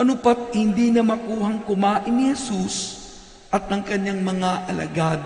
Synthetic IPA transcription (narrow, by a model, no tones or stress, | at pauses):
ʔɐnʊpɐt̪̚hɪnd̪iːnɐmɐkuːhɐŋkʊmaːʔɪnːɪhɛsus | ʔɐt̪̚ɐŋkɐɲːaŋmɐŋaʔɐlɐ̰ɡad̪